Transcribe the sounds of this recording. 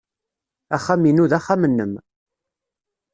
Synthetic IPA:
æχːaminuðæχamənːəm

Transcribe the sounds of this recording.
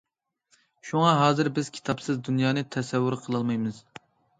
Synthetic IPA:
ʃuŋɑɦɑːzɨɾbɪz̥kʲʰi̥t̪ʰɑpsɨzd̪unjɑːnɨt̪ʰɛsɛwːʊɾqʰəlˠɑlˠmɑjmɨz̥

